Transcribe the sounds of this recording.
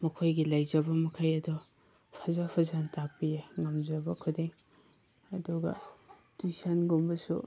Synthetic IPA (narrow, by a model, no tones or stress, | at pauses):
mɐkʰojɡilajzɐbɐmɐkʰajɐdɔ | pʰazapʰazantak̚pijeŋɐmzɐbɐkʰudeŋ | ɐduɡɐ̰ | d̥ujsanɡombɐsṵ